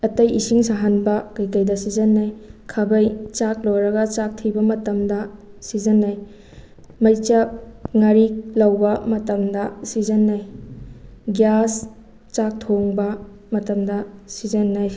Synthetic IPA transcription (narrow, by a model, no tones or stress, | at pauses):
ɐtɐjisiŋsaɦɐnbɐkɐjkɐjdɐsid͡ʒɐnːɐjkʰɐbɐjt͡ʃak̚lowɾɐɡɐt͡ʃak̚tʰibɐmɐtɐmdɐsizɐnːɐj | mɐjt͡ʃɐp̚ŋaɾik̚lɐwbɐmɐtɐmdɐsizɐnːɐj | ɡjas | t͡ʃak̚tʰoŋbɐ | mɐtɐmdɐsizɐnːɐj